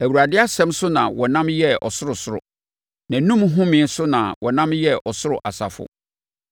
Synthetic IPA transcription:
æ˨wu˨ɾa˨dɪ˦a˦sɛ̃˦msʊ˦nã̰˨wɔ˨nã˦mjɛ˦ʔɔ̰˨sʊ˦ɾʊ˨sʊ˦ɾʊ̰˨ | nã˨nũ˦mɦʊ̃˦mɪ̃˨n˦sʊ˦nã˨wʔɔ˨nã˦mjɛ˦ʔɔ˨sʊ˦ɾʊ˨ʔa˨sa̰˨fʊ̰˨

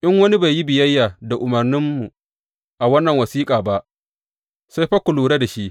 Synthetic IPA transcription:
ʔɪ˦ŋwɐ˦ni˦ba˨jːi˦bɪ˨jɐ˦jːaː˨da˨ʔʊ˨mɐ˨rnɪ˦mːu˨ | ʔa˨wɐ˦nːɐ˨ŋwɐ˨siː˦kʼaː˨ba˦ʔ | sa˦jɸɐ˦kʷʊ˨luː˨ɽe˦da˨ʃi˦ʔ

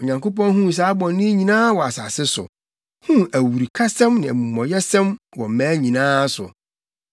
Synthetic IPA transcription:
ɔ˨ɲã˨ŋko˦pɔ̃˦nɦũ˦˨s̬aː˨˦bɔ̃˨nː˦ɪ̃˦ɲĩ˨nãː˦wɔ˨a˨sa˨sɪ˦sʊ̰˨ | hũ˦æ˨wu˨ɾi˨kʰa˦sɛ̃˦mnɪ̃˨æ˨mũ˨mɔ̃˨jɛ˦sɛ̃˦mwɔ˨m̩˨mæ̃ː˨˦ɲĩ˨nãː˦sʊ˨

